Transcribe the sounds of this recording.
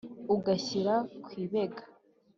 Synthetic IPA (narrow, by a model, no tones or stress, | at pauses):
uɡaɕiɾakwiːβeɡḁ